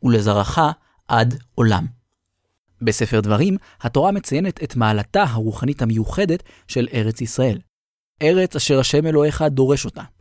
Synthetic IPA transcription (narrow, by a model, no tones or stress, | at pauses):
ule̞zaʁaχa | ʔado̞la̰m | be̞se̞fe̞ʁdvaʁim | hato̞ʁame̞t͡saje̞ne̞tʰetmaːlataɦaʁuχanithamejuχe̞det | ʃe̞le̞ʁe̞t͡sisʁae̞l | ʔe̞ʁe̞t͡saʃe̞ʁaʃe̞me̞lo̞eχado̞ʁe̞ʃo̞ta